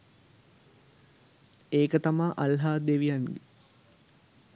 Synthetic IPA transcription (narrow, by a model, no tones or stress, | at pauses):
eːkət̪amaːʔalɦaːd̪eʋijanɡe